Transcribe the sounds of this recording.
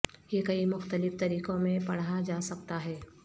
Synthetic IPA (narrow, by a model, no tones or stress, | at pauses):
jekɐimʊxt̪əlɪft̪ɐɾiːqõmẽpɐɽ̤ad͡ʒaːsɐk̚t̪aɦɛː